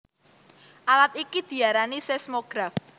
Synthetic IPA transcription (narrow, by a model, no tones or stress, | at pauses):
ʔalat̪ikid̪̥i̤aɾanisɛsmoɡ̥ɾaf